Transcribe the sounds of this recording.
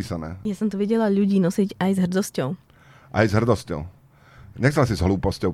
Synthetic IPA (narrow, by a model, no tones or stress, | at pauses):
iːsanɛ̰ːjasɔmt̪ɔʋɛɟɛlaʎuɟiːnɔsiɟajzɦr̩d̪ɔscɔʊ | ʔa̰jzɦr̩d̪ɔscɔ̰ʊ | ɲɛxt͡sɛlasizɦluːpɔscɔʊ